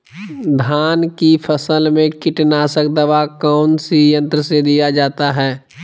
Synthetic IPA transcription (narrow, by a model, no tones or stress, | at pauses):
d̪ʱaːnkipʰəsəlmẽkɪʈnaːsək̚d̪ɐʋakɔːnsijə̃nt̪ɾəsed̪ijad͡ʒaːt̪aɦɛː